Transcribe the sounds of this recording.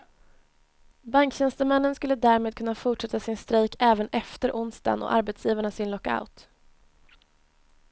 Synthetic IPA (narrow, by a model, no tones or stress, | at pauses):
baŋkɕɛnst̪əmɛnːənskɵlːəd̪æːɾmeːd̪kʰɵnːafʊʈʂɛt̪ːasɪnst̪ɾeːkʰɛːvənɛft̪əɾʔʊnst̪a̰nɔ̰ʔaɾbɛt̪sjiːvaɳasɪnlɔkːa̰ʊt̪